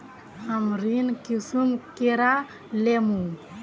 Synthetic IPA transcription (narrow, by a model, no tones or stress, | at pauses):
amɾinkisumkeɾa | lemu